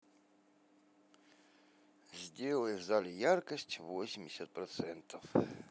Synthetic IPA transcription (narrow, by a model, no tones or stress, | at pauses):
zʲdʲelˠəjɪvzalʲɪjarkəsʲtʲvosʲɪmʲdʲɪsʲət̪̚pɾɐt̪sɛnt̪ʰəf